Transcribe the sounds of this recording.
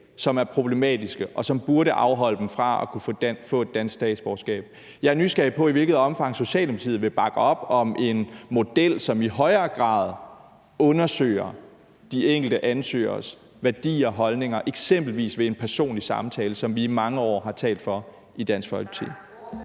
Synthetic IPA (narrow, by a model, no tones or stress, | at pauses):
sɒ̽mæɐpʰʁo̝b̥le̝mɛ̰ːd̥isɡ̥əʔɒ̽sɒ̽mb̥uɐɾəʔɑ̈ʊɦɒ̽l̰əd̥m̩fʁɑ̈ɒkʰuffɔ̰̽ːe̝d̥ːænsɡ̥sd̥ɛ̰ːd̥sb̥ɒːsɡ̥ɛ̰ːb̥̚ | jɑ̈nysɡ̥ɛb̥̚pʰɒ̽iʋe̝lɡ̥ð̩ˠɒ̽mfɑ̈ŋ̰so̝ɕɛ̰ːld̥eb̥ʰt͡sʰḭð̩ˠʋe̝b̥ɑ̈ɡ̥əɒ̽b̥ɒ̽mʔe̝nmo̝d̥el̰sɒ̽miɦɒ̽ɪɐːɡ̥ʁɑ̰̈ːð̞ˠ | ɔ̽nɐsø̰ːɐ | d̥ieŋ̰ɡ̥l̩d̥əʔænsø̰ːɐs | ʋæɐd̥ḭːɒɦɒ̽lne̝ŋɐʔe̝ɡ̥sem̰b̥l̩ʋḭːsʋe̝enpʰæɐso̝̰ːnlisɑ̈mt͡sʰɛːləsɒ̽mʋiːmɑ̈ŋəɒ̰ːɦɑ̈t͡sʰɛ̰ːld̥fɒ̽ | id̥æn̰sɡ̥fɒ̽lɡ̥t͡sʰḭ